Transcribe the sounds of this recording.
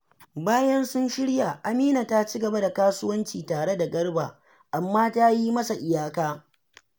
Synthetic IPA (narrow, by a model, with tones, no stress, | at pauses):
baː˦jɐ˦nsʊ˦nʃɪ˦ɽja˨ʔa˨miː˦na˨ta˦t͡ʃi˦ɡɐ˨ba˦da˨kaː˦sʊ˦wɐ˦nt͡ʃiː˨taː˨ɽe˦da˨ɡɐ˦ɽbaː˨ | ʔa˨mːaː˦ta˦ji˦mɐ˦sa˨ʔɪ˨jaː˦kaː˦